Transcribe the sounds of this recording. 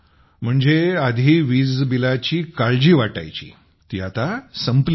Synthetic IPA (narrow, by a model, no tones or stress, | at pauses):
m̤əɳd͡zead̪ʱiʋiːd͡zbilat͡ɕiːkaɭd͡ʑiːʋaʈa̰jt͡ɕḭː | t̪iːat̪asəmpl